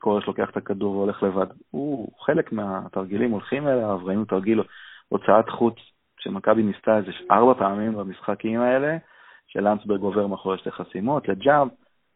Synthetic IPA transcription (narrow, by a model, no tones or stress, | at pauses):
koʁeʃlo̞ke̞aχe̥t̪akaduʁveo̞le̞χle̞vadhuχe̞lekmeat̪aʁɡilimo̞lχimelavʁainutaʁɡiloot͡saat̪χut͡s | ʃemakabinist̪aezeʃʔaʁbapaːmimbamisχakimae̞le̞ | ʃe̞̰lansbeɡo̞veʁmeaχoʁeʃleχasimot̪le̞d͡ʒav